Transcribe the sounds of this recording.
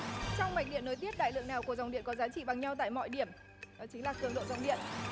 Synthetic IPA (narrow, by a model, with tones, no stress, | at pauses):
t͡ɕɔ˧wŋ͡mma˨˩k̚ɗḭ˧˨ənːo˨˦jt̪i˦˥əp̚ɗa̰ː˧˨jlɨ̰˧˨əŋnaː˨˩wku˧˩əza˨˩wŋ͡mɗḭ˧˨ənkɔ˨˦zaː˨˦t͡ɕḭ˧˨ɓa˨˩ŋɲa˧wt̪a̰ː˧˨jmɔ̰˧˨jɗi˧˩əm | t͡ɕï˨˦ŋ̟laː˨˩kɨ˨˩əŋɗo̰˧˨za̰˨˧˩wŋ͡mɗḭ˧˨ən